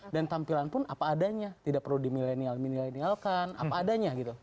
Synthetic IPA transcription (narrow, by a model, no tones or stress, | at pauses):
dant̪ampilanpʊnapaːdaɲat̪idaʔ̚pərludimilenialminilenialkana̰paːdaɲaɡit̪u